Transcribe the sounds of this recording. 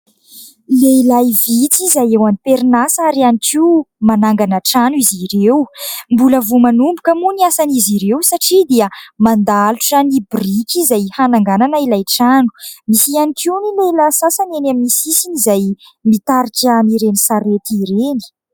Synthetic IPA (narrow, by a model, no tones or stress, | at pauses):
leilajvit͡sizajewanipeɾinasaɾianikiwmanaŋɡanəʈ͡ʂaniziɾewmbuləvumanumbukəmuniasaniziɾewsaʈ͡ʂid̪iəmand̪aluʈ͡ʂanibrikizajhanaŋɡananəilajʈ͡ʂanu̥misianikiunilejlasasanenaminisisinizaj | mit̪aɾikamiɾenisaɾet̪iɾeni̥